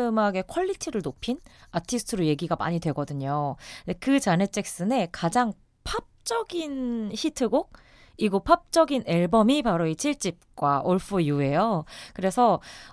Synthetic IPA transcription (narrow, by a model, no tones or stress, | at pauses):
ɯmɦaɡe̞kʰʌʎːitʰiɾɯɭnopʰinatʰisʰɯ̥tʰɯɾuje̞ɡiɡama̰ɲidwe̞ɡʌdɯɲondekɯt͡ɕane̞t͡ɕ͈ʰek̚s͈ɯne̞kad͡ʑaŋ | pʰap̚t͡ɕ͈ʌɡinçitʰɯɡok̚ | iɡopʰap̚t͡ɕ͈ʌɡine̞ɭbʌmipaɾoit͡ɕʰiɭt͡ɕ͈ip̚k͈waʔoɭpʰujue̞jokɯɾe̞sʰʌ